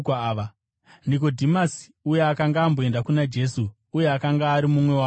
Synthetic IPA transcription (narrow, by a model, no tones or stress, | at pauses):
aʋa | nik̬o̞dʱimasi̥ujeakaŋɡaːmboe̞ndakunad͡ʒe̞su | uje̞akaŋɡaːɾimumwe̞wa